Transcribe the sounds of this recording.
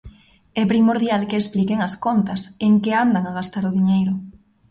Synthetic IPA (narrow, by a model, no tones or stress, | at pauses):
ɛpɾimoɾðjalkeːsplikeŋɐskont̪ɐseŋkeand̪aŋaɣast̪aɾʊðiɲejɾʊ